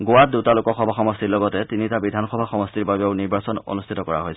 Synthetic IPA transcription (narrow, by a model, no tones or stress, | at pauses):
ɡowadutalʊkɔxɔbʱaxɔmɔstiɹlɔɡɔtɛtinitabidʱanxɔbʱaxɔmɔstiɹbabɛoʊniɹbasɔno̰nustʰitɔkɔɹa̰ɦojsʰ